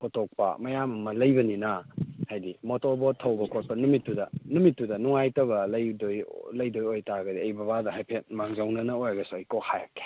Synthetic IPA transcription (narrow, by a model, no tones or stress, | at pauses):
kʰotʰok̚pɐ̰mɐjamɐmɐlɐjbɐninahajdimotobotʰːɐwbɐkʰot̚pɐnumitːudɐnumitːudɐnuŋajtɐbɐlɐjdojlɐjdojojtaɡɐdiejbɐbadɐɦajpʰet̚maŋzawnɐnɐojɡɐsuɐjkohaja̰kːe̥